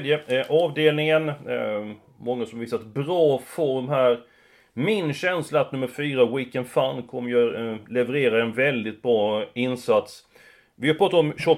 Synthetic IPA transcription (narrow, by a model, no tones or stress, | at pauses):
d̪jəʔɑːvd̪eːlnɪŋən | mɔŋːasɔmvɪst̪ːat̪bɾɑːfɔɾmɦæːɾ | mɪnɕɛnslaːt̪nɵmːəɾfyːɾawiːkənd̪fankʰɔmːəjœlɛvəɾeːɾaɛnvɛld̪ɪt̪̚bɾɑːɪnsat̪s | vɪhaɾpʰɾɑːt̪at̪ɔmɕɔ